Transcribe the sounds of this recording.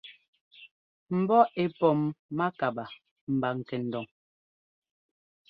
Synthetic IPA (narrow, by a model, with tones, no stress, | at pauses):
m̩˨bɔ˦e˨pɔ˨mːa˦ka˨ba˨ | m̩˨ba˨ŋ̩˨kɛ˨n̩˨dɔ˨ŋ